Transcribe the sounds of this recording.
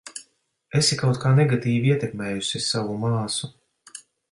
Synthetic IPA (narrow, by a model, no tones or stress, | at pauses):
esikawt̪kaːneɡat̪iːviiɛt̪ɛkmɛːjusisavumaːsu